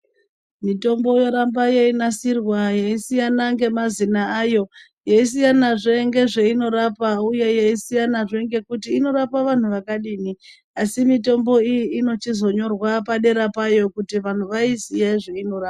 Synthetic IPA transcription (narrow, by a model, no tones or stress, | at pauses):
mito̞mbo̞jo̞ɾambajeinasirwajeisijanaŋɡe̞mazinaajo̞ | jeis̬ijanaʐe̞ŋɡe̞ʐe̞ino̞ɾapauje̞jeisijanaʐe̞ŋɡe̞kutiːno̞ɾapaʋan̤uʋakaɗiːni | asimito̞mbo̞ijiːno̞t͡ʃizo̞ɲo̞rwapaɗe̞ɾapajo̞kutiʋan̤uʋaisijaʐeino̞raːpa